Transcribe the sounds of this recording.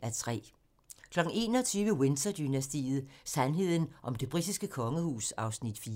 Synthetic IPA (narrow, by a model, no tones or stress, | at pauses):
æt͡sʰʁɛ̰ː | kʰlɒ̽ɡ̥ŋ̩e̝̰ːnɒt͡sʰyːʋəwe̝nsʰɐd̥ynæsd̥ḭːð̩ˠsænɦe̝ð̰ˠn̩ʔɒ̽md̥e̝b̥ʁid̥isɡ̥əkʰɒ̽ŋəhuːsɑ̈ʊsnid̥fiː